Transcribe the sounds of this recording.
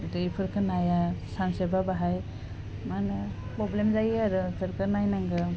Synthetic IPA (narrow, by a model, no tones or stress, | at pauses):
dejpʰɯɾkʰɯnajasansebabaɦaj | manpɾɔblemzajaɾɯtʰɯɾkʰɯnajnaŋɡɯ